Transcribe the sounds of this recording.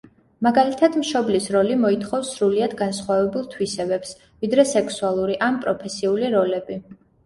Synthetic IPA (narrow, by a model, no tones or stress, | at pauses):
maɡalit̪ʰad̪mʃɔblisɾɔlimɔit̪ʰχɔfsːɾuliad̪ɡansχwavɛbulˠt̪ʰwisɛbɛps | vid̪ɾɛsɛkʰsualˠuɾiʔanpʼɾɔpʰɛsiuliɾɔlɛbi